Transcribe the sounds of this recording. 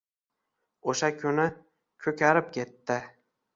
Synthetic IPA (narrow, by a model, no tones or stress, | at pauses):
oʃakʲʰʊnɪ | kʲʰɵkʲʰaɾɪp̚kʲʰe̞t̪ːɪ